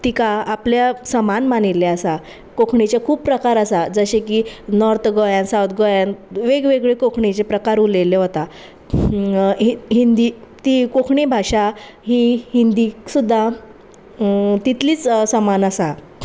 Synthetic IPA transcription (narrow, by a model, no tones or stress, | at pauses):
t̪ikaːpljasəmanmanilːeəsa | kokʰɳit͡ɕjakʰuːppɾəkaɾəsad͡zəɕekiːnɔɾt̪ʰɡojãnsãwt̪ʰɡojanʋeɡʋeɡɭekokʰɳet͡ɕepɾəkaɾuleleɦot̪a | ɦind̪iːt̪iːkokʰɳebʱaɕa | ɦiɦind̪iːsud̪ʱːa | t̪it̪liːt͡ssəmanəsa